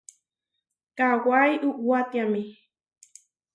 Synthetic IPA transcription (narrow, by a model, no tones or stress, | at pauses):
kawajʔʊʔwat̪jamɪ